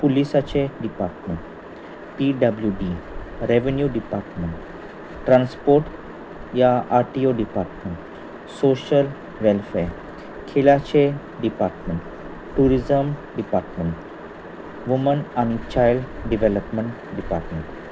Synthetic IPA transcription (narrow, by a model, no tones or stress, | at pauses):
pulisat͡ɕeɖipaɾʈmeɳʈ | piɖəbljuɖiɾeʋənjuɖipaɾʈmeɳʈ | ʈɾãnspoɾʈ | jaʔaɾʈioɖipaɾʈmeɳʈ | soɕəl | ʋɛlfɛɾ | kʰeljat͡ɕe | ɖipaɾʈmeɳʈ | ʈːuɾizəmɖipaɾʈmeɳʈ | ʋumənañit͡ɕajlɖɖiʋeləpmeɳʈ | ɖipa̰ɾʈmeɳʈ